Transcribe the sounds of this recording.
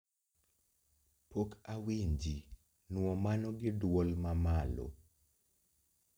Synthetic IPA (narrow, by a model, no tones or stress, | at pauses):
pokawiɲd͡ʒi | nwɔmanɔɡɪdwɔlmamalo̰